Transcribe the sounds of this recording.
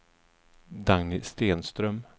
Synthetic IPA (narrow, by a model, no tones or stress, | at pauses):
d̪aŋnɪst̪eːnst̪ɾœm